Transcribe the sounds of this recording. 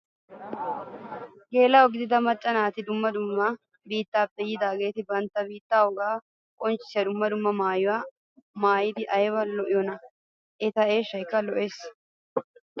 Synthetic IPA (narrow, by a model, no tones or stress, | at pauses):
ɡe̞ːlɐɔɡɪd̪ɪd̪ɐmɐt͡ʃʼːɐnaːt̪ɪd̪ʊmːɐd̪ʊmːɐ | biːt̪ːaːpːɛjɪd̪aːɡe̞ːt̪ɪbɐnt̪ːɐbiːt̪ːaːwɔɡaː | kʼɔnt͡ʃːɪ̥sɐd̪ʊmːɐd̪ʊmːɐmaːjʊwaː | maːjɪd̪ɪʔɐjwɐlːɔʔɪjɔnɐ | ʔɛt̪ɐʔeːʃɐjkːɐlɔʔe̞ːs